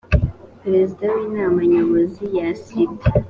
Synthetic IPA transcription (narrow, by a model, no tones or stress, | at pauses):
pɾe̞zidawiːnaːmaɲoβozijasite